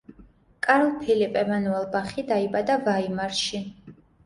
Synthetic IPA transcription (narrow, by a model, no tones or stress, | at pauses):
kʼaɾlˠpʰilipʼɛmanuɛlˠbaχid̪aibad̪avaimaɾʃi